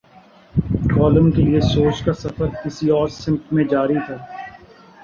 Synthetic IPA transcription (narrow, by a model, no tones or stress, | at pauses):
kɔːləmkeliesoːt͡ʃkasɐfəɾkɪsiɔːɾsɪ̃mkmẽd͡ʒaːɾit̪ʰaː